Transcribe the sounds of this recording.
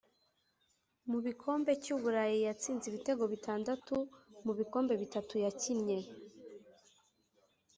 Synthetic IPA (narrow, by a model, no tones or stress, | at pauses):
muβikʰo̞ːmbe̞cuβuɾajijat͡siːnziβite̞ɡo̞βitʰaːndatumuβiko̞ːmbe̞βitatujacinɲe̞